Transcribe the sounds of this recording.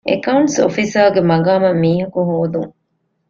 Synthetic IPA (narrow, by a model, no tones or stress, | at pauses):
ḛkɐuɳʈso̰fisaːɡemɐɡaːmɐmːiːɦɐkuɦoːd̪ṵŋ